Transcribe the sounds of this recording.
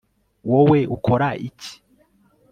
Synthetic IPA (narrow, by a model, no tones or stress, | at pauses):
woweukʰoɾaici̥